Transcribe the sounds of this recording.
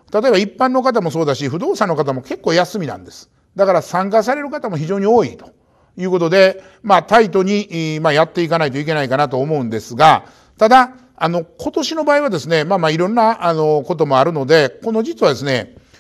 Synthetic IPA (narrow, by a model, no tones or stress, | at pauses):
t̪at̪o̞e̞baipːãnːo̞kat̪̬amo̞so̞ːd̪aɕiɸɯ̟d̪o̞ːsãnːo̞kat̪̬amo̞ke̞kːo̞ːjasɨmʲinã̰nd̪e̞sɨ̥ | d̪akaɾasãŋkas̬aɾe̞ɾɯ̟kat̪amo̞çiʑo̞ːɲ̟ioːit̪o̞̥ | jɯ̟ːkot̪od̪e̞ | mat̪ait̪̬o̞ɲ̟imajat̪ːe̞ikanait̪o̞ik̬e̞naikanat̪o̞ːmo̞ɯ̟̃nd̪e̞sɨɡa | t̪ad̪a | ano̞kʰo̞t̪o̞ɕino̞baːiβad̪e̞sɨne̞maːmaiɾõ̞nːaano̞ko̞t̪̬o̞mo̞aɾɯ̟no̞d̪e̞ko̞no̞d͡ʑit͡sɨβad̪esɨne̞